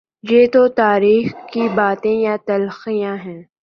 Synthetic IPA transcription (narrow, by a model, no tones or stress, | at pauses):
jeːt̪ot̪aːɾiːxkibaːt̪ẽjat̪ɐlxijãɦɛ̃ː